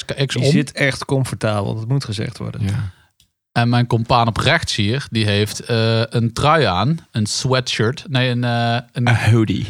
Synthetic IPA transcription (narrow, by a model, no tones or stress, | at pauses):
ɪkzɪtɛχtkɔmfɔɹtaːbə̰lˠdɑtmutχəzɛ̰χtʋɔ̰ɹdə̰n | ɛnmɛjnkɔmpaːnɔprɛxtshiːərdiɦejftəəntrœjaːnənswɛtʃøɹtnejənənhowdḭ